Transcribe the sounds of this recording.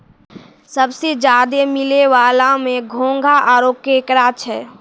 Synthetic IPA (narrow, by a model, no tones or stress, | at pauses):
sɐbsed͡ʒjaːd̪emɪleʋaːlamẽɡʱõːŋɡʱaʔaːɾoːkeːkɾaːt͡ʃʰɦɛː